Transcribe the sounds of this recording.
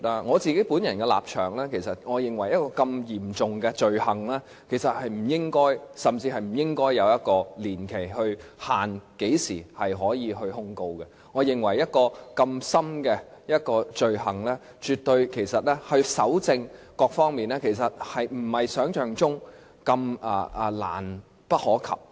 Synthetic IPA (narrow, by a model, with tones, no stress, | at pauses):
aː˥ŋɔː˨˧t͡siː˨ke˨˥jpuː˨˥njɐ˨˩nkɛ˧la̰ː˨p̚t͡ʃʰœ̰ː˨˩ŋlɛː˥kʰe˨˩jsɐ˨t̚ŋɔː˨˧jɪ˨ŋwɐ˨˩jɐ˥t̚kɔː˧kɐ˧mjiː˨˩mt͡sʊ˨ŋɡɛ˧t͡ʃɵ˨ɥhɐ˨˩ŋlaː˥ | kʰe˨˩jsɐ˨t̚hɐ˨jm̩˨˩jɪ˥ŋkɔː˥jsɐ˨mt͡siː˧ɦɐ˨jm̩˨˩jɪ˥ŋkɔː˥jːɐ˨˧wjɐ˥t̚kɔː˧liː˨˩nkʰe˨˩jhɵ˧ɥhaː˨nke˨˥jsiː˨˩hɐ˨jɦɔː˨˥jiː˨˧ɦɵ˧ɥhʊ˥ŋko˧wkɛ˧ | ŋɔː˨˧jɪ˨ŋwɐ˨˩jːɐ˥t̚kɔː˧kɐ˧msɐ˥mkɛ˧jɐ˥t̚kɔː˧t͡sɵ˨ɥɦɐ˨˩ŋlɛː˥ | t͡ʃyː˨t̪̚ɵ˧ɥkʰe˨˩jsɐ˨t̚lɛː˥hɵ˧ɥsɐ˨˥wt͡sɪ˧ŋkɔː˧k̚fɔː˥ŋmiː˨nlɛː˥kʰe˨˩jsɐ˨t̚hɐ˨jm̩˨˩hɐ˨jsœː˨˥ŋt͡ʃœː˨ŋt͡sʊ˥ŋ | kɐ˧mɐː˨˩˨la̰ː˨˩n | pɐ˥t̚hɔː˨˥kʰɐ̰˨p̚